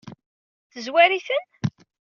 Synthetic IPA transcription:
θəzwæɾiθən

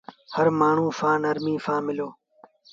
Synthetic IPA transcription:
həɾmaːɳ̤ũːfãːnəɾmĩːfãːmɪloː

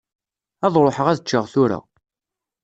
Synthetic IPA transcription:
ɑðˤɾˤoħəʁæðət͡ʃːəʁθʊɾa̰

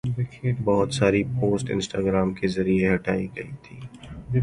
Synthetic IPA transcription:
bɪkʰeːʈbɐɦʊt̪saːɾipoːsʈɪ̰̃nsʈaːɡɾaːmkezɐɾieɦɐʈaːiɡɐḭt̪ʰiː

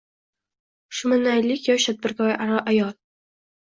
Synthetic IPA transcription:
ʃʊmanːajlɪkʲjɒʃt̪ʰat̪̚bɪɾkɒʔaɾɒʔajɒlˠ

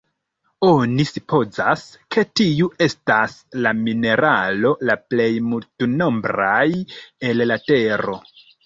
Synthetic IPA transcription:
o̞nisupo̞za̰skʰe̞tiuʔe̞staslamine̞ɾalo̞laple̞jmultuno̞mbɾaje̞llate̞ɾo̞

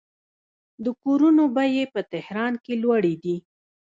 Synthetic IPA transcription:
d̪əkoɾunobajepət̪ɪhɾɑnkelwaɽid̪i

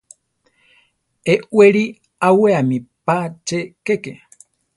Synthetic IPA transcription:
eʔweɾi | aweamipat͡ʃekeke

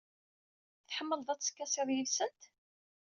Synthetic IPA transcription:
θħəmːəlðˤæt͡sːskːæsˤɪðˤjəlsənt̪

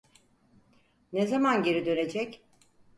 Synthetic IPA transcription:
nezamanɟe̞ɾid̪ø̞ne̞d͡ʒɛc

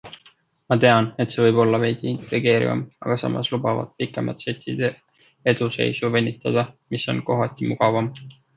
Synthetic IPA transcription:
mɑt̪e̞ɑne̞t̪se̞ːvɤjb̥o̞lːɑvejɡ̥iint̪ˑe̞ɡ̥e̞ːɾḭvɑ̰mɑ̰ɡ̥ɑsɑ̰mʔɑ̰slub̥ɑvɑ̰t̪̚pikːˑe̞mʔɑ̰t̪set̪ʲʰˑːid̪̥e | e̞d̪̥use̞̰jsuvenʲːit̪ːˑɑd̪̥ɑmiso̞̰nko̞ɦɑt̪ʲːˑimuɡ̥ɑvɑm

